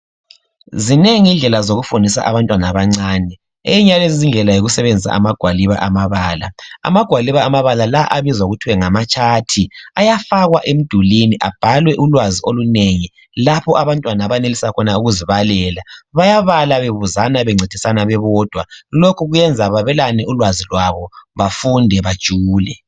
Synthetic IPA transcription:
zineŋiind͡ɮʱɛlazoɣufundʱisa̰ʔaβantʼwanaβaŋ͡ǀaːnɛ | eiɲalezizind͡ɮʱɛlajoɣusɛβend͡zʱisa̰amaɡ̥ʱwaliβa̰ʔamaβaːla̰a̰maɡ̥ʱwaliβaːmaβalalaʔaβizauɣutʰiwɛŋamat͡ʃʰʼatʰiajafaɣwaʔem̩d̥ʱuliniʔab̥ʱalwɛʔulwazioluneŋi | lapʰɔʔaβantʼwanaβanelisakʰɔnauɣuziβalɛːlaβajaβalaβeβuzanaβɛŋ͡ǀʱed̥ʱisanaβɛβɔːd̥ʱwalokʰuɣujɛnd͡zʱaβaβɛlanɛulwazilwaβɔβafundʱɛβad̥ʒ̥ʱuːlɛ

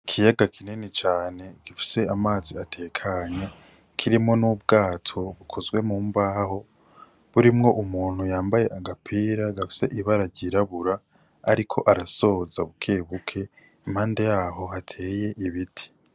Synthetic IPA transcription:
kʰijaɡakʰinenit͡ʃaːne̞ɡ̥ifi̥se̞amaːziatʰe̞ːkʰaɲa | kʰiɾimo̞nub̚ɡaːtʰo̞βukʰo̞zɡwe̞muːmbaːho̞ | βuɾimŋo̞ʔumuːn̥hujaːmbaje̞ʔaɡapʰiːɾaɡafi̥se̞ʔiβaɾaɟiɾaβuɾa̰ː | ɾikʰo̞̰ʔaɾaso̞ːzaβukʰeːβukʰe̞ | imhaːnde̞jaːɦo̞hatʰe̞ːje̞ʔiβitʰi̥

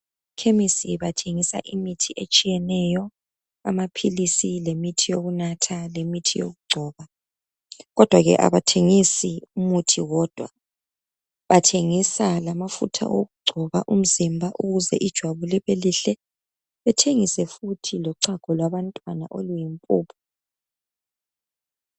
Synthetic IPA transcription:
kʰemisiβatʰeŋisa̰ʔimitʰiʔet͡ʃʼijɛnɛjɔ | a̰mapʰilisilemitʰijoɣunatʰalemitʰijo̰ɣuɡ͡ǀʱɔːβa | ɣɔd̥ʱwaɣɛ̰ʔa̰βatʰeŋisiumutʰiɣɔd̥ʱwa̰ | βatʰeŋisalamafṵtʰa̰ʔoɣuɡ͡ǀʱɔβaʔum̩zimbʱaʔuɣuzɛʔid̥ʒ̥ʱwaβulɛβeliɬɛ | βɛtʰeŋisɛfutʰilɔǀaɡ̥ʱɔlwaβantʼwana̰ʔolujimpʼuːpʰɔ̥

